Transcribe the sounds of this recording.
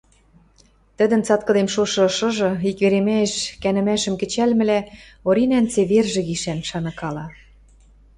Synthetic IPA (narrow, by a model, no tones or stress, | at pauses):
t̪ə̆d̪ə̆nt͡sɑt̪̚kɤ̆d̪emʃoʃɤ̆ʃɤ̆ʒɤ̆ikβeɾemæeʃkænɘ̆mæʃə̆mkɘ̆t͡ɕælmɘ̆læ | oɾinænt͡seβerʒĕɣiʃænʃɑnɤ̆kɑlɑ